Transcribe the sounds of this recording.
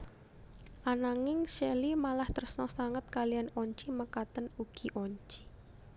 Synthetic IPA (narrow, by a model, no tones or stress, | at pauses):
ʔanaŋɪŋʃɛlimalaht̪ərsnɔsaŋət̪̚kalijanɔɲt͡ʃiməkat̪ənuɡ̥i̤ʔɔɲt͡ʃi̥